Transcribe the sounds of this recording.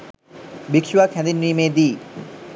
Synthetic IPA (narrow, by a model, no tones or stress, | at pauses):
bikʃuʋakʰɛnd̪inːiːmeːd̪iː